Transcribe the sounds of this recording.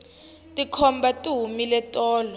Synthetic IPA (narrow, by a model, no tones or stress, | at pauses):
tʼikʰɔmbʱatʼuɦumilɛtʼɔːlɔ